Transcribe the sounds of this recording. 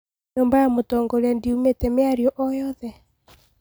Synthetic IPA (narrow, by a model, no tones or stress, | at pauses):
ɲoːmbajamotɔːŋɡɔɾeandiumetɛmeaɾiɔʔɔjɔðɛ